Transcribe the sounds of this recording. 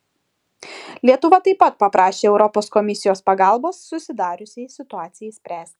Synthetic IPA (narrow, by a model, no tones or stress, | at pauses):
lʲiɛt̪ʊʋɐt̪ɐɪpɐt̪̚pɐpɾɑːʃʲeːɛʊɾɔpoːskɔmʲɪsʲɪjoːspɐɡɑˑlˠboːsːʊsʲɪd̪ɑːɾʲʊsʲesʲɪt̪ʊɑːt̪sʲɪjɛisʲpʲɾʲæːsʲt̪ʲ